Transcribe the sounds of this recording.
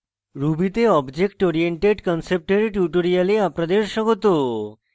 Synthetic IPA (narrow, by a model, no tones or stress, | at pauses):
ɾubʱit̪eɔbd͡ʑekʈoɾijeɳʈeɖkənsep̚ʈəɾiʈjuʈoɾijaleapɾad̪eɾʃəkot̪o